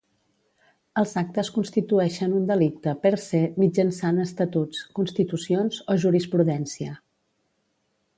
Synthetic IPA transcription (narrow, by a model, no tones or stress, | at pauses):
əlˠzak̚t̪əskunst̪it̪uɛʃənund̪əlik̚t̪əpəɾsemid͡ʒənsanəst̪ət̪ut͡skunst̪it̪usionzoʒuɾispɾuðɛnsiə